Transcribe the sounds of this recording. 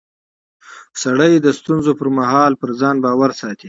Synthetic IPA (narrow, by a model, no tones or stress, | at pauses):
saɽəjd̪əst̪unzopəɾmaɦɑlpəɾzɑnbɑwaɾsɑt̪i